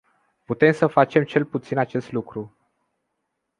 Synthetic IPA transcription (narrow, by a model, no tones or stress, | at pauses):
put̪e̞msəfat͡ʃe̞mt͡ʃe̞lput̪sinat͡ʃe̞st̪lukɾu